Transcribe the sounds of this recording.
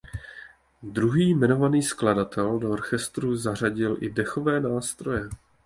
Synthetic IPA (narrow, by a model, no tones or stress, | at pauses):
d̪ɾuɦiːmɛno̞vaniːskladat̪ɛldooɾxɛst̪ɾuzar̝aɟɪlʔɪdɛxo̞vɛːnaːst̪ɾo̞jɛ